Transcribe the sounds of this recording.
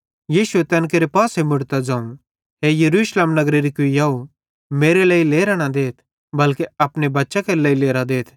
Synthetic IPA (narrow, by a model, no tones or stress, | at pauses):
jiːʃuet̪ɐnk̬eːɾepaːsemʊɽt̪ad͡ʒãːũ | ɦejɐɾuːʃleːmnɐɡɾeɾikʊijaːu | meːɾeləːileːɾaɽ̃ad̪eːt̪ʰ | bɐlkeɐpɽebɐtːʃakeləːileːɾad̪eːt̪ʰ